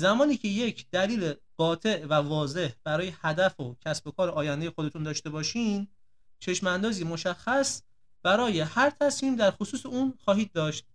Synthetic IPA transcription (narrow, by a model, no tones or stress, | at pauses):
zæmɒːniːcʰe̞je̞cʰd̪̥æliːleb̥ɒːt̪ʰe̞ʔvævɒːze̞hb̥æɾɒːje̞hæd̪æfocʰæsbo̞kʰɒːɾeɒːjænd̪ejexod̪e̞t̪ʰund̪ɒːʃt̪e̞bɒːʃiːn | t͡ʃʰe̞ʃmænd̪ɒːziːmo̞ʃæxːæs | b̥æɾɒːje̞hæɾt̪ʰæsmiːmd̪æɾxosuːseuːnxɒːɦiːd̪̚ːɒːʃt̪̚